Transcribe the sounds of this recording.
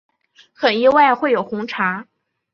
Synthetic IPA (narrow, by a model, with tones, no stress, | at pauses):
xə˨˩ni˥wa˥˧ɪxwe˥˩ɪjo˨˩ʊxʊ˧˥ŋʈ͡ʂʰa˧˥